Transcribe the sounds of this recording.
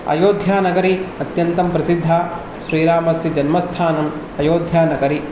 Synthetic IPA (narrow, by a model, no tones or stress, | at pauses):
ɐ̰joːd̪ʱjaːnɐɡɐɾiɐt̪jɐnt̪ɐmpɾɐsid̪ʱːaː | ʃɾiːɾaːmɐsjid͡ʒɐnmɐst̪ʰaːnɐm | ɐjoːd̪ʱjaːnɐɡɐɾi